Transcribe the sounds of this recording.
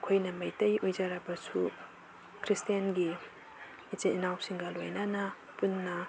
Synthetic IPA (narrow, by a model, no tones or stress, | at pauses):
kʰojnɐmɐjtɐjojzaɾɐbɐsu | kʰɾistianɡi | it͡ʃiinawsiŋɡɐlo̰jnɐnɐ | punːɐ